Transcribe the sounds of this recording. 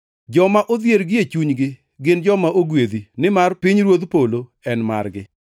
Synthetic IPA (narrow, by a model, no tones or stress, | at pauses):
d͡ʒɔmaʔod̪jeɾɡɪet͡ʃuɲɡɪ | ɡɪnd͡ʒɔmaʔoɡwed̪inɪmarpɪɲɾwod̪polo | ɛnma̰rɡɪ